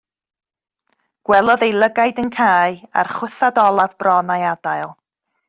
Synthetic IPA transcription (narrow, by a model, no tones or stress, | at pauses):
ɡ̥wɛlˠɔðejlˠəɡajdənkʰaːɨa̰rχwʊθadɔlˠavbrɔnajadajlˠ